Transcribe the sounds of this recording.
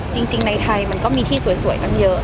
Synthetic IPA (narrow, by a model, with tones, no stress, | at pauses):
t͡ɕï˧ŋt͡ɕi˧ŋna˧jt̪ʰa˧jma˧nkɔː˧˥˩miː˧t̪ʰiː˥˩su˨˩˦əjsu˧˩˦əjt̪a˧ŋjəː˧˥